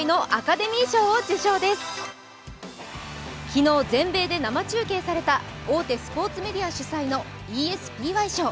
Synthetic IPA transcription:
ino̞ʔakad̪e̞mʲiːɕo̞ːod͡ʑɨɕo̞ːd̪e̞sɨ̥ | kʲino̞ːzẽ̞mbe̞ːd̪e̞namat͡ɕɨːk̬e̞ːsaɾe̞t̪ao̞ːt̪e̞sɨ̥po̞ːt͡sɨme̞d̪ʲiaɕɨsaino̞iːesɨ̥pʲiːβaiɕo̞ː

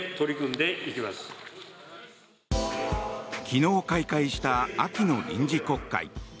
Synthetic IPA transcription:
t̪o̞ɾʲikɯ̟̃nd̪e̞ikʲimasɨ̥ | kʲino̞ːkaikaiɕi̥t̪aakʲinoɲʲḭ̃ɲ̟d͡ʑiko̞kːa̰ḭ

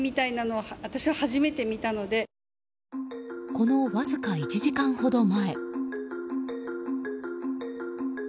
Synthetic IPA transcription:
mʲit̪ainano̞aβat̪aɕiβahaʑime̞t̪e̞mʲit̪ano̞d̪e̞ | ko̞no̞βazɨkait͡ɕiʑikãɰ̃ho̞d̪o̞mae̞

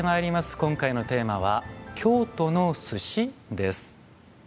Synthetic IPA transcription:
emaiɾʲimasɨ̥kõ̞ŋkaino̞t̪e̞ːmaβakʲʰo̞ːt̪o̞no̞sɨɕid̪e̞sɨ̥

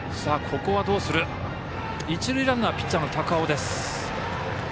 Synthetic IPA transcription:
saːkʰo̞ko̞βad̪o̞ːsɨɾɯ̟ | it͡ɕiɾɯ̟iɾaŋɡaapʲi̥t͡ɕãnt̪ʰakaod̪e̞sɨ̥

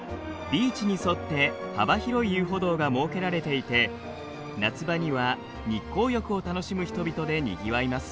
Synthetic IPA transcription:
bʲiːt͡ɕiɲ̟iso̞t̪ːe̞habaçiɾo̞ijɯ̟ːɦo̞d̪o̞ːɡamo̞ːke̞ɾaɾe̞t̪e̞it̪e̞ | nat͡sɨbaɲ̟iβa | ɲ̟ikːo̞ːjʲo̞kɯ̟o̞t̪ano̞ɕimɯ̟çi̥t̪o̞bʲit̪o̞d̪e̞ɲ̟ḭɡʲiβaimasɨ̥

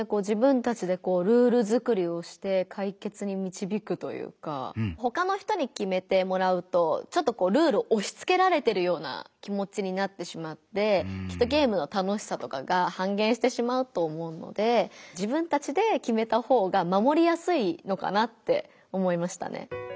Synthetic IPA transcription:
ko̞ːd͡ʑibɯ̟̃nt̪at͡ɕid̪e̞ko̞ːɾɯ̟ːɾɯ̟zɨkɯ̟ɾʲio̞ɕi̥t̪e̞kʰaike̞t͡sɨɲ̟imʲit͡ɕibʲikɯ̟t̪o̞̰jɯ̰ːka̰ɦo̞kano̞çi̥t̪o̞ɲ̟ikʲime̞t̪e̞mo̞ɾaɯ̟t̪o̞t͡ɕo̞t̪ːo̞ko̞ːɾɯ̟ːɾɯ̟oʔoɕi̥t͡sɨ̥ke̞ɾaɾe̞t̪e̞ɾɯ̟jo̞ːna̰kʲimo̞t͡ɕiɲ̟inat̪ːe̞ɕimat̪ːe̞kʲi̥t̪ːoɡʲe̞ːmɯ̟no̞t̪ano̞ɕi̥sat̪o̞kaɡahãŋɡẽ̞ɰ̃ɕi̥t̪e̞ɕimaɯ̟t̪o̞ːmo̞ɯ̟no̞̰d̪e̞d͡ʑibɯ̟̃nt̪at͡ɕid̪e̞kʲime̞t̪aho̞ːɡamamo̞ɾʲijasɨino̞ka̰nat̪ːe̞̰ | o̞mo̞imaɕi̥t̪a̰nḛ

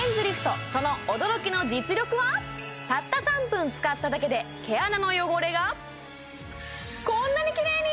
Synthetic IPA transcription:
ẽnzɨɾʲiɸɯ̟̥t̪o̞so̞no̞od̪o̞ɾo̞kʲino̞d͡ʑit͡sɨɾʲjo̞kɯ̟βat̪at̪ːasãmpɯ̟̃nt͡sɨ̥kat̪ːad̪ake̞d̪e̞ke̞anano̞jo̞ɡo̞ɾe̞ɡa | kõ̞nːaɲ̟ikʲiɾe̞ːɲ̟i

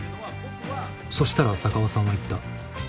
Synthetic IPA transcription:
so̞ɕi̥t̪aɾasakaβasãɰ̃ːait̪ːa

